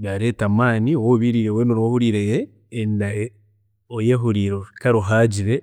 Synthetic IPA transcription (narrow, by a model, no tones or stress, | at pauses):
βaɾetamaːniowoβiɾiɾewenoɾohuɾiːɾejeː | nda | ojeɦuɾiːɾokaɾoɦad͡ʒiɾe